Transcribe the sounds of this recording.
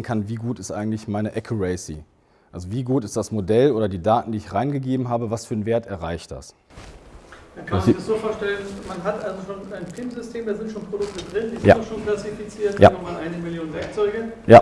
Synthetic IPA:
n̩kʰanviːɡuːtɪstʔa̰ɪɡŋ̩tlɪçmaɪnəʔɛkʰuʁasḭ | ʔalzoviːɡuːtɪstd̥asmodɛlʔoːɾɐdiːdaːtn̩diːɪçʁaɪnɡəɡeːbm̩ɦaːbəvasfyːɐnveːɐtɛɐʁaɪçtd̥a̰s | dakʰammdasz̥oːfoːɐʃtɛlənmanɦatʔalzoʃoːnaɪnpʁ̥iːmzʏstʰeːmdaːzɪntʃoːnpʁ̥odʊk̚tədʁɪndiːza̰ʃoːnkl̥asifit͡siːɐta̰nɔmaːlʔaɪnəmɪljoːnvɛɐk̚t͡sɔʏɡəja̰

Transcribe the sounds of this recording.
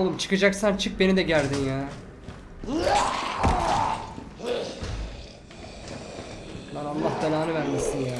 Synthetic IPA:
lˠɯmt͡ʃʰɯ̥kad͡ʒaksant͡ʃʰɯk̚be̞nid̪ɛɟælʲd̪injæː | bænalˠːaɦt̪alʲaːnɯvæɾmisinjaː

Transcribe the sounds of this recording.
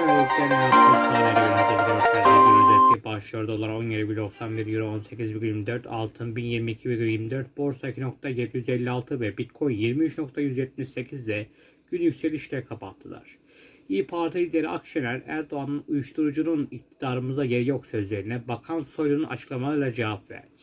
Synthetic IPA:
ouklˠamaad̪asalʲˠaninad̪ed̪id̪oɾsad̪ad̪aezɛt̪ːʲibaʃlˠɯjoɾd̪olˠaɾo̞njeɾibilʲd̪o̞ksanbiɾjyɾo̞nse̞cʰʲizbiɡʲylʲmid̪øɾt̪ʰa̰lˠt̪ʰɯnbinjiɾmiːcʰibiɡʲyljiɾmid̪øɾt̪̚bo̞ɾsaicʰino̞k̚t̪ʰajed̪ijyzɛlʲːialˠt̪ʰɯvɛbit̪kʰo̞jjiɾmiyt͡ʃno̞k̚t̪ʰajyzjɛt̪̚miʃse̞cʰizd̪ɛ | ɟ̥ynjycʲselʲiʃlʲeɾikʰapʰat̪ʰːɯlˠa̰ɾ̥ | iːpʰaɾt̪ʰilʲid̪eɾiʔa̰kʃenʲæɾæ̰ɾd̪o̞anɯnujuʃt̪ʰuɾud͡ʒununict̪ʰid̪aːɾɯmɯzd̪aje̞ɾijo̞ksø̞zlʲe̞ɾinɛbakʰanso̞jlʲˠununʔa̰t͡ʃʰɯ̥klˠamalˠɯɾlˠad͡ʒevapvæ̰ɾd̪ɪ̥

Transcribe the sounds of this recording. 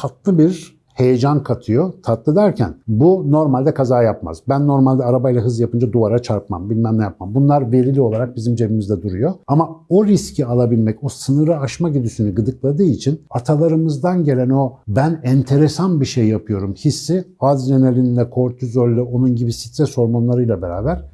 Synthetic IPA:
at̪lˠɯbiɾ | he̞jed͡ʒankʰat̪ʰɯjo̞t̪ʰat̪lˠɯd̪æɾcʰæ̰nbuno̞ɾmalʲd̪ɛkʰazaːjapma̰z̥bænːo̞ɾmalʲd̪ɛaɾabajilˠaɦɯzjapɯnd͡ʒad̪uvaɾat͡ʃʰaɾpma̰mbilʲmɛmnʲɛjapmambunlˠaɾve̞ɾilʲio̞lˠaɾak̚bizimd͡ʒe̞bimizd̪ɛd̪uɾujo̞amaoɾiscʰialˠabilʲmɛco̞sɯnɯɾaaʃmaɟid̪ysynyɡɯd̪ɯklˠad̪ɯːit͡ʃʰinat̪ʰalˠaɾɯmɯzd̪anɟe̞lʲæno̞bænɛnt̪ʰe̞ɾesanbiʃejjapʰɯjo̞ɾumçisːiazlenelʲinlʲɛkʰo̞ɾt̪ʰyzølʲːyo̞nunɟibisi̥t̪ɾɛso̞ɾmonlˠaɾɯjlˠabe̞ɾa̰ːbæɾ̥

